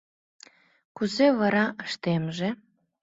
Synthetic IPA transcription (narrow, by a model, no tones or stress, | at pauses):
kuzevɑɾɑʔəʃt̪emʒe